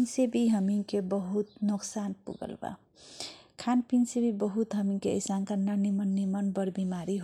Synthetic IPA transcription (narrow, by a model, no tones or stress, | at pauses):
nsebiɦəmiŋkebəɦut̪noksanpṵɡə̰lba̰ | kʰanpinsebibəɦut̪ɦəmiŋkeə̰jsankəɾnanimənːimənbəɾbimaɾiɦ